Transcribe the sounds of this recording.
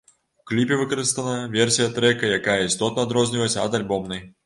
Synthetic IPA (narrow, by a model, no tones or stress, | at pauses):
uklʲipʲɛvɨkɐɾɨst̪ɐnɐvʲɛrsʲijɐt̪ɾɛkɐjakajɐist̪ɔt̪nɐd̪ɾɔzʲnʲivɐsʲtʲɐ̰d̪alʲbɔmnɐj